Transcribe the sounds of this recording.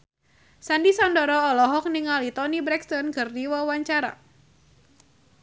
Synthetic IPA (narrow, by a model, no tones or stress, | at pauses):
sandisɔndɔɾɔɔlɔɦɔk̚niŋalit̪ɔnibɾɛkst̪ɔnkɨrdiwawaɲt͡ʃaɾa̰